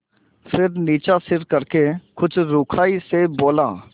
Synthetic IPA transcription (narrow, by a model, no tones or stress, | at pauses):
fʰɪɾniːt͡ʃasɪɾkəɾkekʊt͡ʃɾʊːkʰaːiseboːlaː